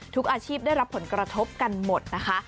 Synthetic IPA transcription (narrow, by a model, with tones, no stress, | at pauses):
t̪ʰu˦˥k̚ʔaː˧t͡ɕʰiː˥˩p̚da˥˩jɾa˦˥pʰːo˩˦nkɾa˧t̪ʰo˦˥p̚ka˧nmo˨˩t̪̚na˦˥kʰa˦˥